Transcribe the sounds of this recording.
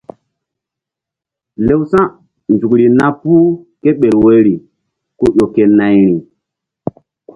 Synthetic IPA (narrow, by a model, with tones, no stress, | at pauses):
le˦wsã˦ | nd͡ʒu˨kɾi˨na˦pu˦ke˦ɓe˨ɾwe˦ɾi˨ | ku˦ɗo˨ke˨na˨jɾi˨